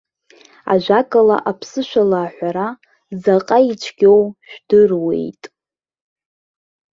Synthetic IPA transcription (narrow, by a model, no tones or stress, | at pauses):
a̰ʒʷᶣakʼala̰ʔapʰsɨʃʷᶣalaːħʷᶣaɾa | zaqʼait͡ʃʷʰɡʲowʃᶣd̥ɨrwe̞̰jtʼ